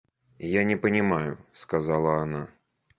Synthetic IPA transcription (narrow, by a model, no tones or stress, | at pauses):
janʲɛpɐnʲɪmajʊskazalˠɐːna